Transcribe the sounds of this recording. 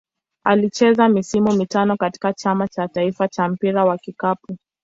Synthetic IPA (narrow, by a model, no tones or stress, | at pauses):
alit͡ʃɛzamisimumitanɔkati̥kat͡ʃamat͡ʃataifat͡ʃam̩piɾawakikapu